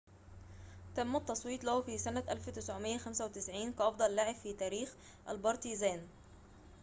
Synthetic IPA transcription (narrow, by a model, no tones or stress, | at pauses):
t̪æmːæt̪ˤːɑsˤwiːt̪ˤlæhufisænæʔælft̪ɪsʕʊmɪjːæxæmsæwt̪ɪsʕiːnkɑʔɑfd̪ˤɑlːaʕɪbfiːt̪æːɾiːx | ʔæ̰lbɑɾˤt̪izæːn